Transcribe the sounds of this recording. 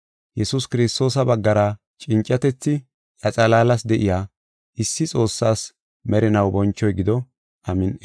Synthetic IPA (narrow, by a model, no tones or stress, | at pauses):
jɛsʊskɪɾɪst̪o̞ːs̬ɐbɐɡːɐɾɐ | t͡ʃʼɪnt͡ʃʼːɐt̪ɛt͡sːɪ | ʔɐt͡sʼɐlaːlɐsd̪ɛʔɪjaː | ʔɪsːɪt͡sʼo̞ːsːaːs | mɛɾɪnɐwbɔnt͡ʃːɔjɡɪd̪ɔ | ʔɐmɪn